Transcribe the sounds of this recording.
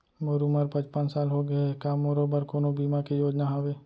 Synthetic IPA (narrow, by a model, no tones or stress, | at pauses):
moɾuməɾpə̃t͡ʃpənsaːlɦoɡəekaːmoɾobəɾkoːnobiːmakijoːd͡ʒnaɦoʋeː